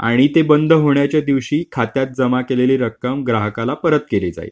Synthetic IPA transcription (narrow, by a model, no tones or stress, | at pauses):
a̰ɽ̃it̪ebənd̪ʱɦoɳjat͡ɕjad̪iʋɕiːkʰat̪jat̪̚d͡zəmakeleleɾəkːəmɡɾaɦəkalapəɾət̪keled͡za̰j̰